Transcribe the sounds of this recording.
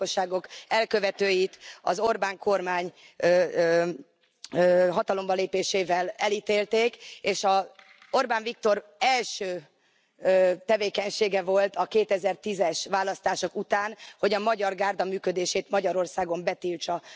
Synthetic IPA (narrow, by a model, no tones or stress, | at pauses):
oʃːaːɡo̞kɛlkøvɛt̪øːjit̪ɒ̰zo̞rbaːŋko̞rmaːɲ | ɦɒt̪ɒlo̞mbɒleːpeːʃeːvɛlɛliːt̪eːlt̪eːkeːʃɒ | o̞rbaːɱvik̚t̪o̞rɛlʃøː | øt̪ɛveːkɛɲʃeːɡɛvo̞lt̪ɒkeːt̪ɛzɛrt̪izɛʃʋaːlːɒst̪aːʃo̞kut̪aːnho̞ɟɒmɒɟɒrɡaːrd̪ɒmyːkød̪eːʃeːt̪mɒɟɒɾo̞rsaːɡo̞mbɛt̪ilt͡ʃɒ